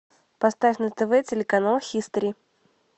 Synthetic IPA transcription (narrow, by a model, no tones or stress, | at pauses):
pɐst̪afʲnət̪əvɛt͡sʲɪlʲɪkɐnalˠxʲist̪ɾʲi